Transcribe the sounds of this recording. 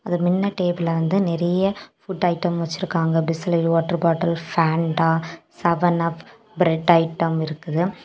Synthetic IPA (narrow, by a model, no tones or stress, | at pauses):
ɐðɯmɪnːɐʈeːbɪlɐʋɐnd̪ɯnɛɾɐjɐfʊʈːɐɪʈːɐmʋɐt͡ʃːɪɾɯkːaːŋɡɐbɪsɪlɐʋaːʈːɐɾbaːʈːɐlfaːɳɖaːsɐʋɐnaːf | bɾɛɖɐɪʈːɐmɪɾɯkːɐðɯ